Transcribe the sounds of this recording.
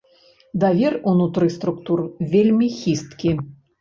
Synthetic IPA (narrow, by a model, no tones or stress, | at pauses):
d̪avʲerunut̪ɾɨst̪ɾukt̪urvʲelʲmʲixʲist̪kʲi